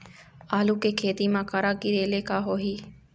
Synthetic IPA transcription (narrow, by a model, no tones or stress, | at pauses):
aːluːkeːkʰeːt̪iːmãːkaɾaːkiɾeːleːkaːɦoːɦiː